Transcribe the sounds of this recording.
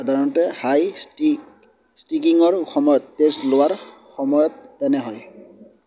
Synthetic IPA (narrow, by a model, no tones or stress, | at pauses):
adʱaɹɔnɔtɛhaji | stikiŋɔɹxɔmɔjɔt̪ːestlʊwaɹ | xɔmɔjɔt̚ːɛnɛɦɔj